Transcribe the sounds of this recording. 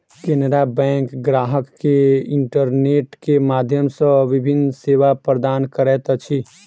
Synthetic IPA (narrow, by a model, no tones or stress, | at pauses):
kenəɾabɛ̃ːŋkɡɾaːɦəkːeɪ̃ɳʈəɾneːʈkemaːd̪ʱjəmsə̃ʋɪbʱɪnseːʋapɾəd̪aːnkəɾɛːt̪ət͡ʃʰi